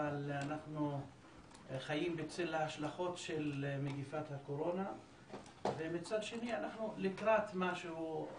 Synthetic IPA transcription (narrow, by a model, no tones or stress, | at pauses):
alanaχnu | χajimbet͡selaaʃlaχo̞tʃe̞lmeɡifat̪hako̞ɾo̞na | ve̞mit͡sad̪ʃe̞nianaχnulikʁat̪maʃeu